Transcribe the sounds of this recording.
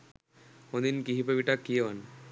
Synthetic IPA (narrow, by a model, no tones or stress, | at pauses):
od̪inkiɦipabiʈakːion